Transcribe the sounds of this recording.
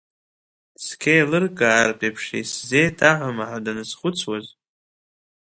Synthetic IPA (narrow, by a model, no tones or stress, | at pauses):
skʰʲejlɨrkʼarpʼepʰʂḛjszejtʰaʕʷamaħadanɨsχʊt͡sʰwaz